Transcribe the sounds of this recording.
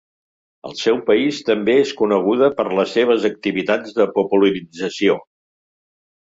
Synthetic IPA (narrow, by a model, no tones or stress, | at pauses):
ə̰lˠsɛwpəist̪əmbeeskunəɣ̞uðəpəɾləsːeβ̞əzək̚t̪iβit̪ad͡zðəpupuləɾid͡zəsio